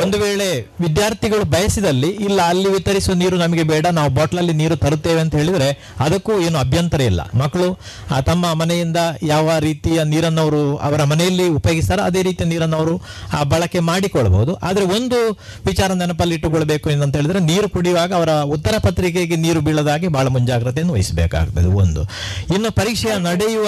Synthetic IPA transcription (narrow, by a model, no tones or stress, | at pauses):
ond̪uʋeːɭe̞ʋid̪jaːɾt̪ʰiɡɐɭubʱɐjɐsid̪ɐlːiilːɐːlːiʋit̪ɐɾisiʋɐniːɾunɐmɐɡe̞bɛːɽɐnaːʋubaːʈɐlɐlːiniːɾut̪ɐɾut̪ːeːʋeɐnt̪ɐɦeːɭid̪ɐɾe̞ | ɐd̪ɐkːue̞ːnuɐbʱjɐnt̪ɐɾɐḭlːɐ̰mɐkːɐɭu | aːt̪ɐmːɐmɐnɛjind̪ɐjaːʋɐɾiːt̪ijɐniːɾɐnːɐʋɐɾuɐ̰ʋɐɾɐmɐnɛjɐlːiupɐjoɡist̪aɾɐɐd̪e̞ːɾiːt̪ijɐniːɾɐnːɐʋɐɾuaːbɐɭɐkːe̞maːɽikɔɭɐbo̰ɦud̪uʔa̰ːd̪ɐɾe̞o̞nd̪u | ʋit͡ʃaːɾɐd̪ɐnɐp̬ɐlːiiʈːukɔɭːɐbe̞ːkuenːɐnt̪ɦeːɭid̪ɾe̞niːɾukuɽiʋaːɡɐːʋɐɾɐut̪ːɐɾɐpɐt̪ɾik̬eɡeniːɾubiɭɐd̪aːɡibʱaːɭɐmuɲd͡ʒaːɡiɾɐt̪eɐnd̪uʋɐjisbḛːka̰ːɡut̪ːɐ̰ːd̪eo̰nd̪ṵ | inːupɐɾikʂɐjɐnɐɽɛjuʋɐ